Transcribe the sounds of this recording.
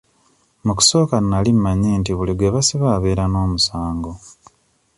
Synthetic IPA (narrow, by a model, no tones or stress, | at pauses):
muku̥so̞ːkanalimmaɲeːntiβuliɡweβasiβaːβe̞ːɾano̞ːmusaːŋɡo̞